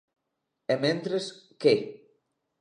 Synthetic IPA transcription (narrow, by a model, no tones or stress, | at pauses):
emẽnt̪ɾeske